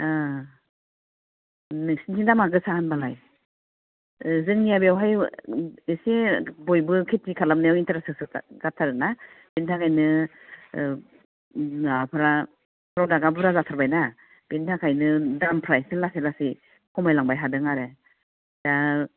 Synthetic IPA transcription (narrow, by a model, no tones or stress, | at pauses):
a | nɯsinsindamaɡɯsahanbalaj | zɯŋnijabiawɦaj | esibɔjbɯkʰetikʰalamnajawintʰaɾasɯsɯɡatʰaɾɯnab̥entʰakʰajnɯ | apʰɯɾa | pʰɾawdaɡabɯɾazatʰaɾbajna | b̥entʰakʰajnɯdampʰɾajsilaselasi | kʰɔmajlaŋbajɦadɯŋaɾe | d̥a